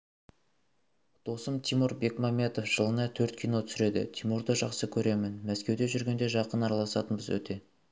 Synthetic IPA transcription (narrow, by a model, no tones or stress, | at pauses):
d̪̥o̞səmt̪ʰijmuɾbe̞kmɑmʲe̞t̪o̞fʒ̥əlˠənɑt̪ʰɵɾt̪̚kʲʰijno̞t̪ʰʏsɪɾe̞d̪ɪ̰t̪ʰimuɾd̪əʒɑqsəkʲʰɵɾe̞mɪnmæskʲe̞wd̪e̞ʒʏɾɡʲe̞nd̪e̞ʒɑqənɑɾɑlˠɑsɑt̪ənbəzwɵ̰t̪ʰe̞